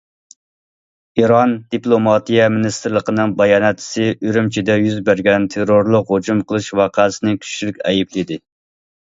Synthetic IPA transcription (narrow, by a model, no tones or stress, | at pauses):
iɾɑnd̪̥iplˠomɑt̪ijɛmɪnist̪ɾlˠəqənɨŋbɑjɑːnɛt̪ʰːɪ̥sɪʔyɾymt͡ʃʰid̪ɛjyzbæɾɡʲɛnt̪ʰeɾoɾlˠʊqɦod͡ʒumqʰəlˠɨʃwɑqʰæːsɪnɨkʲʰy̥ʃʃilykʲɛjiplɪd̪ɪ